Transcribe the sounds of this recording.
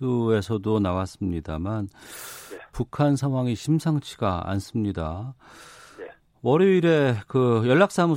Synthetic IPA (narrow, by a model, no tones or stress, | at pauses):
ue̞sʰʌdonawas͈ɯmɲidaman | pukʰansʰaŋɦwaŋiɕʰimsʰaŋt͡ɕʰiɡ̥aa̰ns͈ɯmɲida | ʌɾeiɾe̞kɯjʌɭːak̚s͈amu